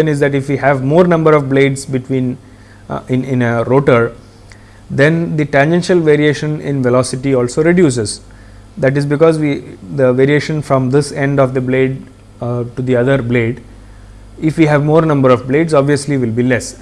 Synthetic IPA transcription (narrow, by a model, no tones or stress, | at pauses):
ə̃nɪzd̪æʈɪfʋiːɦæʋmoːɾnʌ̃mbəɾɔʋbleːɖzbɪʈwĩːn | ɪ̃nɪ̃nəɾoːʈəɾ | d̪ɛ̃nd̪iʈɛ̃nd͡ʒɛ̃nʃəlʋeɾieːʃə̃nɪ̰̃nʋɛlɔːsɪʈiɔːlsoːɾɪɖjuːs̬ez | d̪æʈ̬ɪzbɪkɔːzʋid̪əʋeːɾieːʃə̃nfɾɔ̃md̪ɪsẽɳɖɔʋd̪əbleːɖ̚ | ʈud̪iʌd̪əɾbleːɖ | ɪfʋiːɦæʋmoːɾnʌ̃mbəɾɔʋbleːɖzɔbʋiəsliʋɪlbiːlɛs